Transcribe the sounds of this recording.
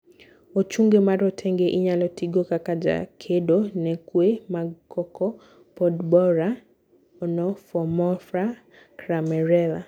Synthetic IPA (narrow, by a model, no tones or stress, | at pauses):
ot͡ʃuŋɡemaɾɔtʰɛŋɡeʔiɲalɔtʰiɡokakad͡ʒa̰kʰedonɛkwemaɡkʰɔkʰɔ | pɔdbɔɾa | ɔnɔfɔmɔfɾa | kɾamɛɾɛla̰